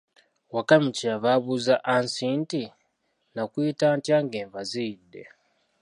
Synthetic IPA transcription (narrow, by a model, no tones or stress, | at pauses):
wakamiciaβaβuzaʔansiːnti | nakujitaːntjaŋɡeːɱvaziːdːe̞̰